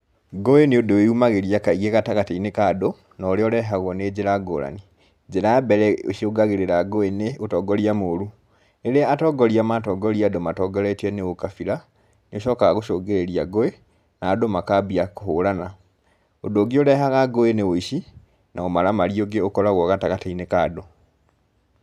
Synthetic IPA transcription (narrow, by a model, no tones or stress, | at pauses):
ɡoeneodoweumaɣeɾiakaiɣeɣataɣateinekado | naoɾeɔɾɛɦaɣɔned͡ʒeɾaɡo̰ɾa̰ni | d͡ʒeɾabɛɾɛo̰ʃioɡaɣeɾeɾaɡoeneotɔɡɔɾiamoɾu | eɾeaatɔɡɔɾiamatɔɡɔɾiadomatɔɡɔɾɛtɛneokafiɾa | neoʃɔːkaɣaɣoʃoːɡeɾeɾija̰ɡoe | naːdomakabiakohoɾana | odoːɡeoɾɛɦaɣaɡoenewoiʃi | naomaɾamaɾioɡeokɔɾaɣɔɣataɣateinekado